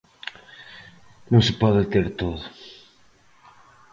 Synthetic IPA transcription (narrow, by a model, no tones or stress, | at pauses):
nõŋsepɔðɪt̪eɾt̪oðʊ